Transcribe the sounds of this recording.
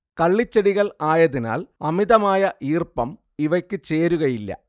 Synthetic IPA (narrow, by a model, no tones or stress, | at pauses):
kɐɭːit͡ɕːɐɽiɣɐɭaːjɐðina̰ːlɐmiðɐmaːjɐʔiːrpɐm | iʋɐkʲːɨt͡ɕeːɾuɣɐjilːɐ̰